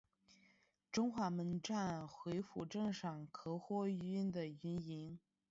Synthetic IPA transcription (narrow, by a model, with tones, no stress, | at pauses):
ʈ͡ʂʊ˥ŋxwa˧˥mə˧˥nʈ͡ʂa˥˩nxwe˧˥ɪfu˨˩ʈ͡ʂɤ˥˧ŋʂɑ˨˩ŋkʰɤ˧˥xwɔ˥y˧˥nd̪ə˨y˧˥ni˧˥n